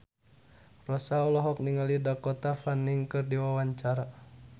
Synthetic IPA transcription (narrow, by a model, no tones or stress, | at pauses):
rɔsaɔlɔɦɔk̚niŋalidakɔt̪afaniŋkɨrdiwawaɲt͡ʃaɾa